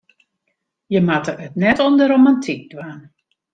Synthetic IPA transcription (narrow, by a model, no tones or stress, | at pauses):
jəmatəətnɛtɔndəɾomantʰik̚d̥waːn